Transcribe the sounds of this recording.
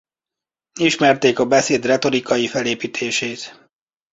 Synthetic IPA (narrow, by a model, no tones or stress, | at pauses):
iʃmɛrt̪eːkɒbɛseːd̪rɛt̪o̞ɾikɒjifɛleːpiːt̪ʰeːʃeːt̪